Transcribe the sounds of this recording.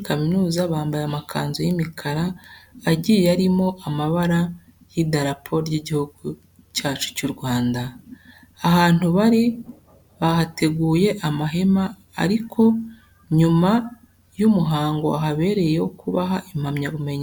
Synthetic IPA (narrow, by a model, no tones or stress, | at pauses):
kaminuːzaβaːmbajamakʰa̰ːnzojimikʰaɾaː | ɟijaɾimo̞amaβaɾa | jidaɾapʰo̞ɾjiɟihuɡu | caːt͡ʃu̥cuɾɡwaːndaː | haːn̥huβaɾi | βahatʰe̞ɡuːje̞ʔamaɦe̞ma̰ː | ɾikʰo̞ | ɲuma | jumuɦaːŋɡo̞a̰ɦaβe̞ːɾe̞jokuβaɦaʔim̥hamɲaβume̞ɲe